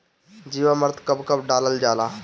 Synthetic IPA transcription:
d͡ʒiːʋaməɾt̪kɐbkɐbɖaːləld͡ʒaːlaː

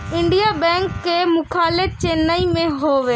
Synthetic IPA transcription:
ɪ̃ɳɖijabɛ̃ːŋkːemʊkʰaːlet͡ʃeːnːaimẽɦoːʋeː

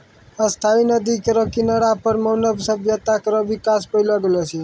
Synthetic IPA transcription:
əst̪ʰainəd̪ikəɾɔkinaɽapəɾməːnəbsəbjət̪akəɾɔʋikaspəɪlɔɡəlɔt͡ʃʰi

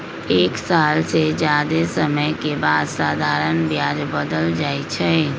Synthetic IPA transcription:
eːksaːlsed͡ʒjaːd̪esɐməjkebaːd̪saːd̪ʱaːɾənbjaːd͡ʒbəd̪əld͡ʒaːit͡ʃʰɛ

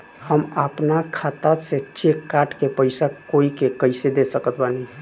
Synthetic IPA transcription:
həməpnakʰat̪aset͡ʃːekaʈkepəɪsakoikekəɪsed̪esəkət̪bani

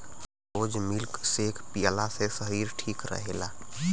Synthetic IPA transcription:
od͡ʒmilksekʰpijəlasesəɦiɾʈʰikɾə̰ɦela

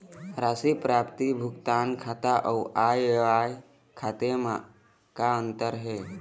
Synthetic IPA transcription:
ɾaːsipɾaːpt̪ibʱʊkt̪aːnkʰaːt̪aʔəːʔaːjeʋaːj | kʰaːt̪ema | kaə̃nt̪əɾɦeː

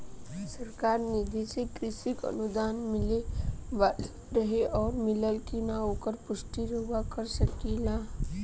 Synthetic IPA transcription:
səɾkaːɾnɪd̪ʱesekɾɪsikə̰nud̪aːnmɪleʋ | ɾəɦeʔɔːɾmɪləlkinaoːkəɾpʊsʈiɾɦoʋakəɾsəkila

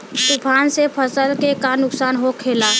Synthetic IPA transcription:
t̪ʊpʰaːnsepʰəsəlkekanʊksaːnɦokʰeːlaː

